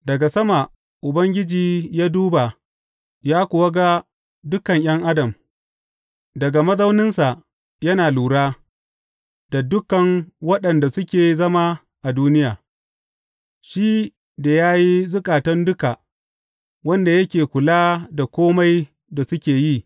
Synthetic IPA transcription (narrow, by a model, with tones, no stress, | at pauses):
dɐ˨ɡa˨sɐ˦ma˨ | ʔʊ˨bɐ˦ŋɡʲɪ˦d͡ʒiː˨jaː˦duː˦ba˨ | jaː˦kʷʊ˨wɐ˦ɡa˦ | dʊ˦kɐ˨ɲj̰ɐ˦ŋʔa˦dɐ˨m | dɐ˨ɡa˨mɐ˦za˦wnɪ˦nsa˨ʔ | jɐ˦naː˨luː˨ɽaː˦ | da˨dʊ˦kɐ˨ŋwɐ˦ɗɐ˨nda˨sʊ˦kʲeː˨zɐ˦ma˦ | ʔa˨duː˦nɪ˦jaː˨ | ʃiː˦ | da˨jaː˦ji˦zʊ˦kʼaː˨tɐ˦ndʊ˦ka˨ | wɐ˦nda˨jɐ˦kʲeː˨kʷʊ˨laː˦da˨kʷoː˦ma˦j | da˨sʊ˦kʲeː˨ji˦